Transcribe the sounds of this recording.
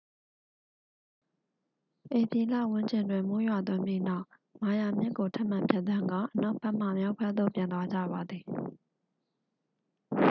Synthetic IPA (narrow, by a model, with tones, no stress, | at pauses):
ʔe˨pi˨la̰˦˨wʊ̃˦ɲt͡ɕɪ̃˨ndwɪ̃˨mo˦jwa˨t̪̬wʊ̃˦mpji˦˨na˦ʊʔ | ma˨ja˨mjɪ˦ʔkːo˨tʰa˦ʔm̥ã˨mpʰjɛ˦t̪t̪ã˦ŋɡã̰˦˨ʔəna˦ʊpɛ˦ʔm̥a˨mja˦ʊpʰwɛ˦d̪o̰˦˨pjã˨nt̪wa˦d͡ʑä̰˦˨βa˨d̪ði˨